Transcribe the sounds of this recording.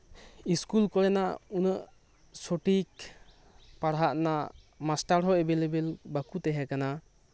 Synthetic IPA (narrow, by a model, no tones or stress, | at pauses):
iskulkɔɛnaunəʔ | soʈik̚ | paɽɦaʔna | masʈaɾɦɔebelebelbakut̪ɛɦɛkana